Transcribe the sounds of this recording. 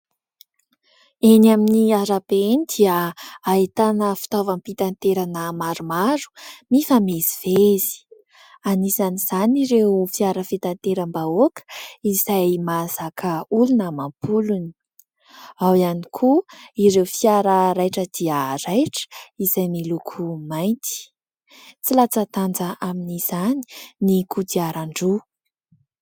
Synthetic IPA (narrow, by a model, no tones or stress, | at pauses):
enaminiaɾapenid̪iaəːit̪anəfi̥t̪ovampit̪ant̪eɾanəmaɾumaɾu̥mifameziv̥eezi̥ | anisaniz̥aniɾewfiaɾəfit̪ant̪eɾəmbaokə̥izajmazakʰəulunəmampʰuluni̥ | awianikʰuiɾewfiaɾəɾajʈ͡ʂəd̪iaɾajʈ͡ʂə̥iz̥ajmilukʰumajnt̪i̥ | t͡silat͡sat̪and͡zəaminiz̥ani̥nikut̪iaɾaɳɖ͡ʐu